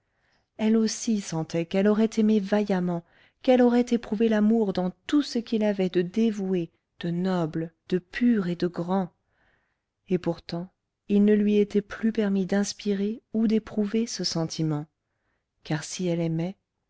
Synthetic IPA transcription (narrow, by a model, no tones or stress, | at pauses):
ɛlosisɑ̃t̪ɛkɛlɔʁɛt̪emevajamɑ̃ | kɛlɔʁɛt̪epχuvelamuʁd̪ɑ̃t̪usəkʲilavɛd̪əd̪evue | d̪̥ənɔbld̪̥əpʰyʁed̪əɡʁɑ̃ | epuʁt̪ɑ̃ | ilnəlɥiet̪ɛplypɛʁmid̪ɛ̃spiʁeud̪epχuvesəsɑ̃t̪ʰimɑ̃ | kaʁsiɛlɛmɛ